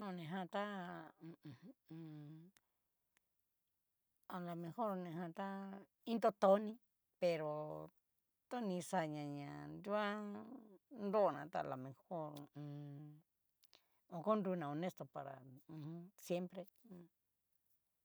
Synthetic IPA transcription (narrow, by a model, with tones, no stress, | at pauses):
nõ˧˨nẽ˨ɦã˧t̪ã˦˧ | a˨la˨mẽ˧ho˦ɾnẽ˨˧hã˧t̪a˦ | ĩ˦nt̪o˧t̪o˧˦nĩ˧ | pe˨ɾo˨ | t̪o˦nĩ˧sa˧ɲã˨ɲã˨ndu˦a˦ | nd̪o˦˨nã̰˧˨t̪a̰˧˨la̰˨mẽ˨ho˦ɾũ˧ | o˧˨ko˦nɾu˧nã˨o˧˨nẽ˦st̪o˧pa˨ɾã̰˨˧ | sje˦mpɾẽ˧